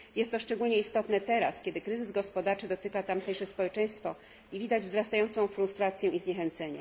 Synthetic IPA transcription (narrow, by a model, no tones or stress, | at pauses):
jɛst̪ːɔʂt͡ʂɛɡulɲɛist̪ɔt̪nɛt̪ɛɾaskʲjɛd̪ɘkɾɘzɘzɡɔspɔd̪aɾt͡ʂɘd̪ɔt̪ɘkat̪amt̪ɛjʂɛspɔwɛt͡ʂɛ̃j̃st̪fɔ | ivʲid̪ad͡ʑvzɾast̪ajɔnt̪sɔ̃w̃fɾust̪ɾat̪sʲjɛ̃ʔizɲɛxɛnt̪sɛɲɛ̰